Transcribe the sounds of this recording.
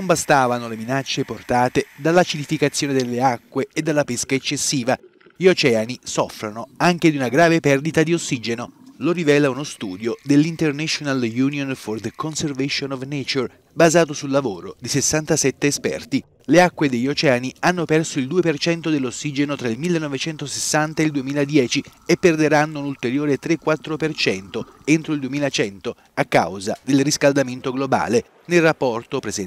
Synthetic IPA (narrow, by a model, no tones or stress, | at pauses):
nombast̪aːvanoleminat͡ʃːeport̪aːt̪ed̪alːat͡ʃilifikat̪sːjoːned̪elːeakːweːd̪ːalːapeskaet͡ʃːesːiːva | ʎiot͡ʃɛːanisɔfɾanoaŋk̟ed̪iunaɡɾaːvepɛrd̪it̪ad̪iosːiːd͡ʒenolorivɛːlaunost̪uːd̪jod̪elːint̪ernɛʃonaljuːnjonford̪konservɛʃonɔvnet͡ʃor | bazaːt̪osulːavoːɾod̪isesːant̪asɛt̪ːeːspɛ̰rt̪i | leakːwed̪eʎːot͡ʃɛanianːopɛrsoild̪uːepert͡ʃɛnt̪od̪elːosːiːd͡ʒenot̪ɾailmilːenːɔvet͡ʃɛnt̪osesːant̪aeld̪uemiːlad̪jɛːt͡ʃiepːerd̪eɾanːounult̪eɾjoːɾet̪ɾekːwat̪ːɾopert͡ʃɛnt̪oent̪ɾoild̪uemiːlat͡ʃɛnt̪o | akːa̰wzad̪elriskald̪ament̪oɡloba̰ːle | nelrapːɔrt̪opɾezɛ